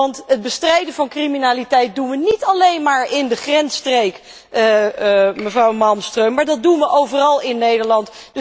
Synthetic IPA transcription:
ɑntɦəd̚bəstrɛjdəvɑnkriminaːlitɛjt̚dunʋənitɑlejnmaːɹɪndəχrɛnstrejk | məvrɑwmɑlˠmstrøɥmaːɹdɑt̚dunʋəʔowvərɑlˠɪnːejdəɹlɑntd̥

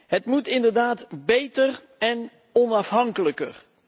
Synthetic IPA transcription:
ɦətmutɪndəɹdaːtbejtər | ɛn | ɔnɑfɦɑŋkələkər

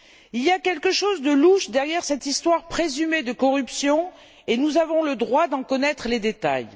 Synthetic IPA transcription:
iliakʲɛlkəʃozd̪əluʃd̪ɛʁjɛʁsɛt̪ist̪waʁpχezymed̪əkɔʁypsjɔ̃ | enuzavɔ̃ləd̪ʁwad̪ɑ̃kɔnɛt̪χəled̪et̪a̰j

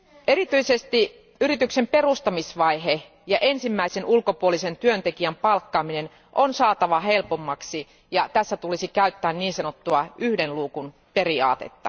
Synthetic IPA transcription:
ʔeɾit̪yisest̪i | yrit̪yksemperust̪ɑmisʋɑie | jɑʔensimːæisenulkopuolisent̪yønt̪ekiæmpɑlkːɑːminen | ʔonsɑːt̪ɑʋɑhelpomːɑksi | jɑt̪æsːæt̪ulisikæyt̪ːæːnniːnsɑnot̪ːuɑyhdenluːkun | periɑ̰ːt̪ḛt̪ːɑ

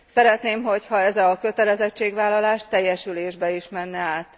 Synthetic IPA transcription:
sɛɾɛt̪neːmɦo̞chɒɛzɒkø̞t̪ɛlɛzɛt͡ʃːeːɡʋaːlːɒlaːʃt̪ɛjːɛʃyleːʒbɛiʃmɛnːɛaːt̪

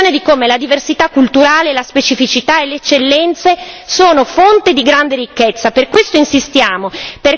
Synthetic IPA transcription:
oːned̪ikoːmelad̪iversit̪akːult̪uɾaːlelaspet͡ʃifit͡ʃit̪aeleːt͡ʃːelːɛnt̪sesoːnofont̪ed̪iɡɾand̪eɾikːet̪sːaperkwest̪oinsist̪jaːmoper

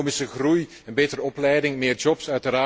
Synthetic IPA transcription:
mɪsəɣruj | ɛnbeːtəɾəɔplɛjdɪŋmɪːrd͡ʒɔpsœɥtəɾaː

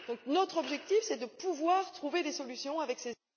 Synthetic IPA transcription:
d̪ɔ̃knot̪χɔbʒɛkt̪ifsɛd̪əpuvwaʁt̪χuved̪esɔlysjɔ̃avɛkse

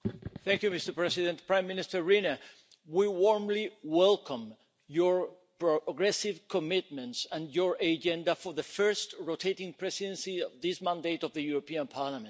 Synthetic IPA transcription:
θɛ̃ŋkjumɪstə˞pɹɛsiðɛ̃nt̪pɹãj̃mːɪ̃nɪstəɹɹinə | wiwɔɹmliwɛlkʰə̃m | jɔɹ | pɹoɡɾɛsivkʰɔmɪt̪̚mɛ̃ntsãnjɔɹʔad͡ʒɛ̃ndafɔ˞ðəfɜ˞stɹotʰeɾĩŋpʰɹɛsidɛ̃nsiɔvðismãndetɔvðəjuɾopiãnpʰaɹlamɛ̃nt

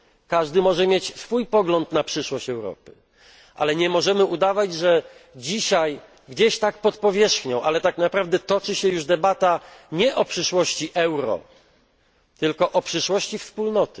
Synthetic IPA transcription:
kaʐd̪ɘmɔʐɛmʲjet͡ɕsfujpɔɡlɔnt̪napʂɘʂwɔɕt͡ɕɛwɾɔ̰pɘ̥ | ʔa̰lɛɲɛmɔʐɛmɘʔud̪avad͡ʑʐɛd͡ʑiɕaj | ɡd͡ʑeɕt̪ak̚pɔt̪pɔvʲjɛʂxɲɔ̃w̃ʔalɛt̪aknapɾavd̪ɛt̪ɔt͡ʂɘɕɛjuʐd̪ɛbat̪aɲɛʔɔpʂɘʂwɔɕt͡ɕiʔɛwɾɔ̰ | t̪ɘlkɔʔɔpʂɘʂwɔɕt͡ɕifspulnɔt̪ɘ̥

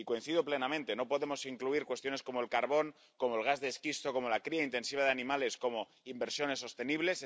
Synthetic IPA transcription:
iko̞in̟θiðople̞namẽnt̪e̞nopo̞ðe̞mo̞siŋkluiɾkwe̞st̪jo̞ne̞sko̞moe̞lkaɾβo̞ŋ | ko̞moelɣ̞azðeskist̪o̞ko̞mo̞lakɾiaint̪e̞nsiβ̞aðeanĩmale̞sko̞mo̞ | imbe̞ɾsjo̞ne̞sːo̞st̪e̞niβle̞s

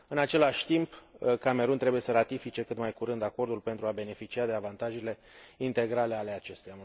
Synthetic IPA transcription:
ɨnat͡ʃe̞laʃʲt̪impkame̞ɾunt̪ɾe̞buje̞səɾat̪ifit͡ʃe̞kɨt̪majkuɾɨnd̪ako̞rd̪ulpe̞nt̪ɾuabe̞ne̞fit͡ʃiad̪eavant̪aʒile̞ | int̪e̞ɡɾale̞ale̞at͡ʃe̞st̪eja

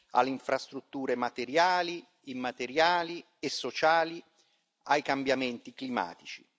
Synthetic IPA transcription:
a̰lːeiɱfɾast̪ɾut̪ːuːɾemat̪eɾjaːli | imːat̪eɾjaːli | esːot͡ʃaːli | ajkambjamɛnt̪iklima̰ːt̪it͡ʃi

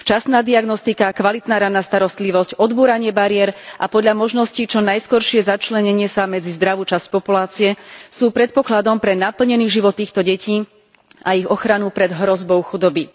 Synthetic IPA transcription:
ft͡ʃasnaːd̪iaɡnɔst̪ikakʋalit̪naːɾanːast̪aɾɔst̪liʋɔscɔd̪buːɾaɲɪɛbaɾɪɛɾʔapɔd̪ʎamɔʒnɔscit͡ʃɔnajskɔɾʃɪɛzat͡ʃlɛɲɛɲɪɛsamɛd͡zizd̪ɾaʋuːt͡ʃasc̚pɔpulaːt͡siɛsuːpɾɛt̪̚pɔklad̪ɔmpɾɛnapl̩ɲɛniːɣʒiʋɔt̪ːiːxt̪ɔɟɛciː | aiɣɔxɾanupɾɛd̪ɦɾɔzbɔʊxud̪ɔbi

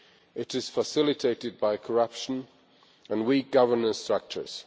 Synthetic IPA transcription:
ɪtɪz̥fəsɪlɪtʰeɪtɪd̚baɪkʰəɹʌpʃə̃n | ə̃nwiˑk̚ɡ̥ʌvənə̃nstɹ̥ʌk̚t͡ʃə̰˞z̥

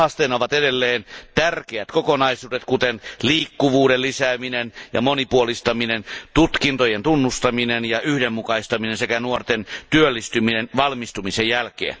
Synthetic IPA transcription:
ɑst̪enoʋɑt̪edelːeːnt̪ærkeæt̪kokonɑisuːdet̪kut̪enliːkːuʋuːdellisæːminenjɑ̰monipuolist̪ɑminent̪ut̪kint̪ojent̪unːust̪ɑminenjɑʔyhdemːukɑist̪ɑminensekænuort̪ent̪yølːist̪yminenʋɑlmist̪umisejjælkḛːn

